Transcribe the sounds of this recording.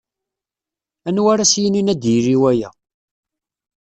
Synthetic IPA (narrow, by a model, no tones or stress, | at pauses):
ænwaɾæsjəninæd̪jiɾiwæjæ̰